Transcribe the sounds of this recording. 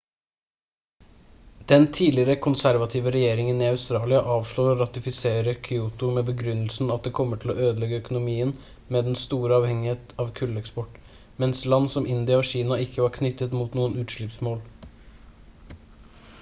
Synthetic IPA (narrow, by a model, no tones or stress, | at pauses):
d̪̥ɛnt̪ʰiːlɪɾəkʰʊnsæɾʋɑt̪ʰiːʋəɾɛjeːɾɪŋəniɑʉst̪ɾɑːlɪɑʔɑːʋʂɭoːɾoɾɑt̪ɪfɪseːɾəkʰʏuːt̪ʊmeːbəɡɾʉnːəlsn̩ɑt̪̚d̪ɛːkʰɔmːəʈʰɪlɔ̰øːd̪əlɛɡəœkʊnʊmiːən | meːd̪ɛnst̪uːɾəɑːʋhɛŋɪheːt̪ɑːʋkʰʉlːɛkspɔʈː | mɛnslɑnːsɔmɪnd̪ɪɑoːɕiːnɑɪkʰːəʋɑɾkʰnʏt̪ːət̪muːt̪nuːənʉːt̪ʂɭʏpsmoːl